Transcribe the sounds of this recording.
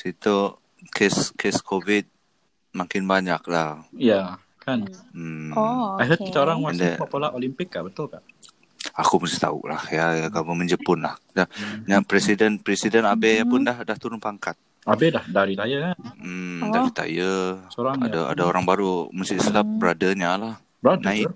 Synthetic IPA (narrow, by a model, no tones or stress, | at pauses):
sit̪u | kʰɛskʰɛskʰovit̪̚ | maŋkɪnbaɲak̚lahja | kan̩ | ajɦət̪̚kit̪aoɾaŋwasndɛmapolaʔolimpɪkːaʔbət̪ʊlkaʔ | akumust̪iht̪a̰ṵʔla̰hjajaɡabəməɲd͡ʒəpʊnlahdaɲapɾɛsidənpɾɛsidənabɛjapʊndahdaht̪uɾʊnpaŋkat̪̚ | abɛdahdaɾit̪ajakan̩dadit̪a̰jəsoɾaŋa̰daa̰daoɾaŋbaɾuməsisəlap̚bɾadəɲalah | bɾadnəãɪ